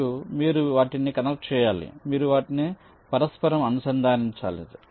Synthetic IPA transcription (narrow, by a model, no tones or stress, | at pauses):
umiːɾuʋaːʈinikɐnɐk̚ʈ̚t͡ʃɛːjaːlḭmiːɾuʋaːʈini | pɐɾɐspɐɾɐmɐnusɐnd̪ʱaːniɲt͡ʃa̰ːlḛːd̪i